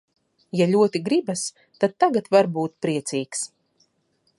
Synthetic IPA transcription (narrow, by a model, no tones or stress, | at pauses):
jaʎʲuɔt̪iɡɾibas | t̪ad̪̚t̪ːaɡat̪vaɾbuːt̪pɾiɛt̪siːks